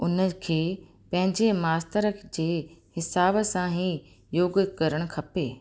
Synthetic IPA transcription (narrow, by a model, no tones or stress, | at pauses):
ʊnə̆kʰeː | pɐ̃ɦɪ̃ɲd͡ʑemaːst̪əɾəd͡ʑeːhɪsaːbsãɦi | joːɡkɐɾəɽ̃kʰɐpeː